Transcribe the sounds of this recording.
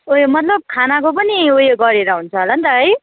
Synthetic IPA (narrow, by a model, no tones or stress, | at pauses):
ojmʌt̪lʌb̚kʰanakopʌniojeɡʌɾeɾʌɦunt͡sʰʌɦolant̪ʌʌj